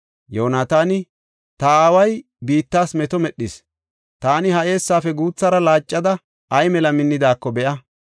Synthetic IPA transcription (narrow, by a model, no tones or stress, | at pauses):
joːnaːt̪aːnɪ | t̪ɐaːwɐj | biːt̪ːaːsmɛt̪ɔmɛɗːɪs | t̪aːnɪhɐʔe̞ːsːaːfɛɡuːt͡sːɐɾɐlaːt͡ʃʼːɐd̪ɐ | ɐjmɛlɐmɪnːɪd̪aːkːɔbɛʔɐ